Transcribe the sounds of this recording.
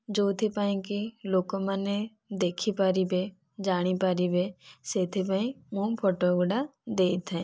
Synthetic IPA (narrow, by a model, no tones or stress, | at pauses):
d͡ʒot̪ʰipaĩkilokɔmane | d̪ekʰipaɾibe | d͡ʒaɽ̃ipaɾibeset̪ʰip̬aĩmũpʰɔʈɔɡuɖad̪ejt̪ʰɛ